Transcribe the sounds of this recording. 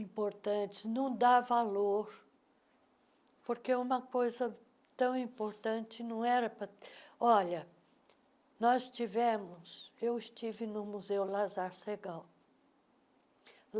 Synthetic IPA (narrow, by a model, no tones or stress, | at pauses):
ĩpoɾt̪ɐ̃t͡ʃɪ̥nɐ̃w̃d̪avaloɾ | poɾkeũmɐkojzɐ | t̪ɐ̃w̃ĩpoɾt̪ɐ̃nt͡ʃɪnɐ̃w̃ɛɾɐpɾɐɔʎɐ | nɔzt͡ʃivɛ̃mʊsewɪst͡ʃivɪnʊmuzewlazaɾseɡaw